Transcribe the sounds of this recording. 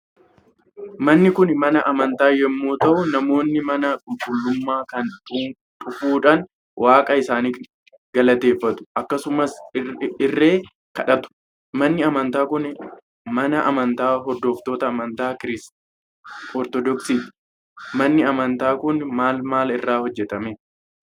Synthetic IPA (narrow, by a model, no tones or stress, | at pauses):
mɐnːɪkʊnmɐnɐʔɐmɐnt̪aːjɛmːoːt̪ɐʔʊnɐmo̞ːnːɪmɐnɐkʼʊŋkʼʊlːʊmːaːkɐnᶑu | ᶑʼʊfuːᶑan | wʔaːkʼɐɪsaːniː | ɡɐlɐt̪e̞ːfːɐt̪ʊ̥ʔɐkːɐsʊmɐsɪrːe̞ː | kɐᶑɐt̪ʊ̥ | mɐnːɪɐmɐnt̪aːkʊn | mɐnɐʔɐmɐnt̪aːɦɔɾd̪o̞ːft̪oːt̪ɐːmɐnt̪aːkɪɾɪs | ɔɾt̪ɔd̪ɔksiːᶑ | mɐnːɪɐmɐnt̪aːkʊnmaːlmaːlɪrːaːhɔd͡ʒːɛt̪ɐme